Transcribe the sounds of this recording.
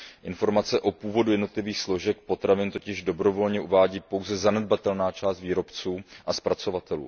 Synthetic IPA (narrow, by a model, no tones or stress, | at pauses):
ʔɪnfo̞ɾmat͡sɛʔo̞puːvo̞dujɛdno̞t̪lɪviːxslo̞ʒɛk̚pot̪ɾavɪnt̪o̞cɪʒdo̞bɾo̞vo̞lɲɛʔuvaːɟiːpo̞wzɛzanɛd̪̚bat̪ɛlnaːt͡ʃaːst̪viːɾo̞pt͡suːʔaspɾat͡so̞vat̪ɛlṵː